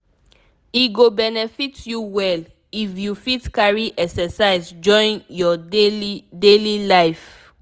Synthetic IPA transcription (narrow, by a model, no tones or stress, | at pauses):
iɡobɛnɛfitjuwɛl | ifjufitkaɹiʔɛksɛsaɪzd͡ʒɔ̃ɪ̃njɔeidelilaɪf